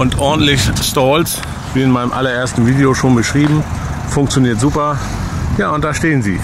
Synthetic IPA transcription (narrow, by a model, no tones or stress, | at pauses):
ʔʊntʔɔɐdn̩tlɪçstaːls | v̥iːɪnmaɪnəmʔa̰lɐʔeːɐstn̩viːdeoʃoːnbəʃʁ̥iːbm̩fʊŋkt͡sjoniːɐtz̥uːpɐ | jaːʊntd̥aːɐʃteːənzḭː